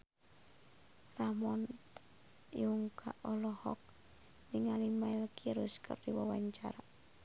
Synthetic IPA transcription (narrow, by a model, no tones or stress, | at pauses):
ramɔn | juŋkʰaʔɔlɔhɔ̰k̚ | niŋalimailkʰiɾuskʰə̰rdiwawaɲt͡ʃa̰ɾa